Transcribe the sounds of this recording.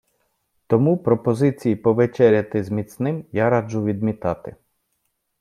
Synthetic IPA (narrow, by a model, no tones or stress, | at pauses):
t̪ɔmupɾɔpɔzɪt͡sʲijipɔʋet͡ʃɛɾʲjɐt̪ɪzmʲit̪snɪmjaɾɑd͡ʒʊʋʲid̪mʲit̪ɑt̪ɪ